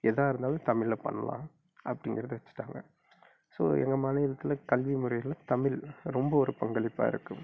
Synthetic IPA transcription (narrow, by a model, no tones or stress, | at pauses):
ɛðaːɪɾɯnd̪aːlɯ̃t̪ɐmɪlɐpɐ̰ɳːɐ̰lã̰ː | ɐpːɐɽɪŋɡɪɾɐðɯʋɐt͡ʃːɯ̥ʈːaːŋɡɐ | so̰ːɛ̰ŋɡɐmɐnɐjɪlɐt̪ːɪlɐkɐlʋimɯɾɐjɪlɐt̪ɐmɪlɾɔmbɐɔɾɯpɐŋɡɐɭɪpːa̰ːɪ̰ɾɯkːɯm